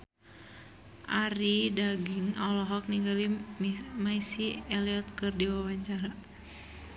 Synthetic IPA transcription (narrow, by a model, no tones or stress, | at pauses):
ʔaɾidaɡiŋɔlɔɦɔk̚niŋɡali | maisiɛliɔt̪̚kɨrdiwawaɲt͡ʃaɾa